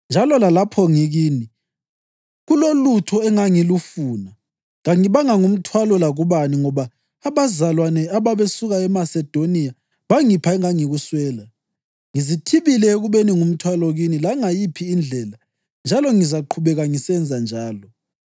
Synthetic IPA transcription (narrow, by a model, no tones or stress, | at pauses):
nd͡ʒʱalɔlalapʰɔŋiɣiːni | ɣulolutʰɔɛŋaŋilufuːna | ɣaŋiβaŋaŋum̩tʰwalɔlaɣuβaniŋɔβaː | βazalwanɛaβaβesuɣaɛmasɛd̥ʱonija | βaŋipʰaɛŋaŋiɣuswɛːla | ŋizitʰiβilɛeɣuβeniŋum̩tʰwalɔɣinilaŋajipʰiːnd͡ɮʱɛːla | nd͡ʒʱalɔŋizaǃʰuβɛɣaŋisɛnd͡zʱand͡ʒʱaːlɔ